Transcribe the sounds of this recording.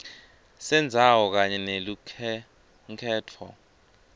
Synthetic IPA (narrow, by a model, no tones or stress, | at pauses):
sɛnd͡zʱawɔk̬aɲɛnelu | kʰɛːtʰɔ̰